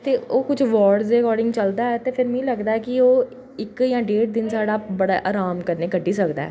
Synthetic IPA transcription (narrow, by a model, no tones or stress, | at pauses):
t̪eːʔoːkʊd͡ʒʰʋɔːɖzɾekɔːɾɖɪ̃ŋɡt͡ʃəld̪aːɛːt̪eːpʰɪɾmɛ̃ːləɡd̪aːɛːkɪoː | ɪkjãːɖeːʈd̪ɪnsaːɽaːbəɽaːʔaːɾaːmkəɾneːkəʈːiːsəkd̪a̰ɛ̰ː